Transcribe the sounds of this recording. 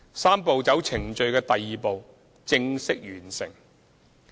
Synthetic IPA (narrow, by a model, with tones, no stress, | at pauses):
saː˥mpo˨˧wt͡sɐ˨˥wt͡sʰɪ˨˩ŋt͡ʃɵ˨˧ɥkɛː˧t̪ɐ˨jːiː˨po˨˧w | t͡sɪ˧ŋsɪ˥k̚ɥyː˨˩nsɪ̰˨˩ŋ